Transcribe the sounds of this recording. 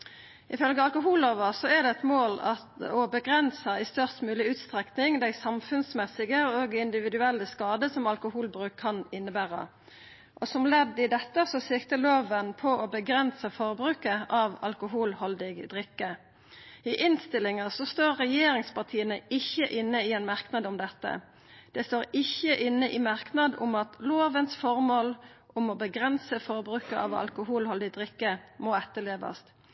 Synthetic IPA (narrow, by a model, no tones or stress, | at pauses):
ʔɪfœlɡəɑlkʊɦuːloːʋəʁsɔɛʁd̪ɛɛt̪moːlɑ | ɔbəɡʁɛnsəɪst̪œʁst̪mʉːlɪʉːt̪st̪ʁɛknɪŋd̪æɪsɑmfʉnsmɛsɪɡəoːɡɪnd̪ɪʋɪd̪ʉɛlːəskɑːd̪əsɔmɑlkʊhuːlbɾʉːkʰːɑnɪnːəbæːʁə̰ | ʔɔsɔmlɛd̪ːɪd̪ɛt̪ːəsɔsɪkt̪əloːʋənpʰɔɔbəɡʁɛnsəfɔʁbɾʉːkəʔɑʋɑ̰lkʊɦuːlhɔld̪ɪɡd̪ʁɪkːə | ɪʔɪnst̪ɪlɪŋəsɔst̪oːʁːɛjeːɾɪŋspɑʁt̪ʰiːənəɪçːəʔɪnːəɪɛnmɑʁknɑd̪ʊmd̪ɛt̪ːə̰ | d̪̥ɛst̪oːʁɪçːəʔɪnːəʔɪmɑʁknɑd̪ʊ̰mɑt̪loːʋənsfɔʁmoːlʔʊmɔbəɡʁɛnsəfɔʁbɾʉːkəʔɑ̰ʋɑ̰lkʊɦuːlhɔld̪ɪd̪ʁɪkːəmoːɛt̪ːəleːʋɑ̰st̪